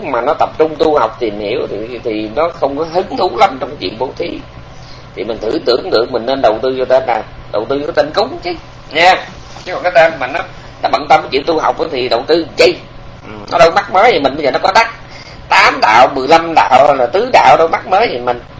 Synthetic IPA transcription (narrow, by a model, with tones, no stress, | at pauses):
ɲɨ˦˥k͡p̚maː˨˩nɔ˨˦t̪ə˨˩p̚t͡ɕʊ˧ŋ͡mt̪u˧ha˨˩wk͡p̚t̪i˨˩əmhḭ˧˩˨əwt̪ʰi˨˩t̪ʰi˨˩nɔ˨˦xə˧wŋ͡mkɔ˨˦ɦɨ˨˦ŋt̪u˨˦la˨˦mt͡ɕɔ˧wŋ͡mkːt͡ɕwḭ˧˨ənɓo˧˨˦t̪ʰi˨˦ | t̪ʰi˨˩mï˨˩ŋ̟t̪ʰɨ̰˧˩t̪ɨ̰˧˩˨əŋɗɨ̰˨˩ək̚mï˨˩ŋ̟ne˧nɗə˨˩wt̪ɨ˧t͡ɕɔ˧t̪e˧naː˨˩ɗə˨˩wt̪ɨ˧t͡ɕɔ˧t̪e˧nkʊ˨˦ŋ͡mt͡ɕi˨˦ | ɲaː˧ | t͡ɕɨ˨˦˥kɔ˨˩kaː˨˦t̪ə˧maː˨˩nɔ˨˦ | nɔ˨˦ɓə̰˧˨nt̪ə˧mkːt͡ɕḭ˧˨nt̪u˧ɦa˨˩wk͡p̚ʔa˨˦t̪ʰi˨˩ɗə˨˩wt̪ɨ˧zə˧j | ʔnɔ̰˨˦ɗə˧wma˦˥k̚məː˨˦jt̪i˨˩mï̟˨˩ɓə˧jzəː˨˩nɔ˨˦kɔ˨˦ɗ̪a˦˥k̚ | t̪aː˨˦mɗa̰ː˧˨wmɨ˨˩əjla˧mɗa̰ː˧˨wlaː˨˩t̪ɨ˨˦ɗa̰ː˧˨wɗə˧wma˦˥k̚məː˨˦jt̪ʰi˨˩mï˨˩ŋ̟